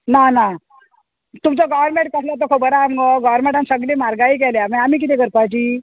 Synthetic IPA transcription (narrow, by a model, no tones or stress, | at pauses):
nana | t̪umt͡sɔɡɔʋəɾmẽɳʈ̚kəslat̪əkʰobəɾaːmɡɔɡɔʋəɾmẽɳʈãnsəɡliːmaɾɡaiːk̬ɛljamamiːk̬it̪ɛ̃kəɾpajt͡ɕiː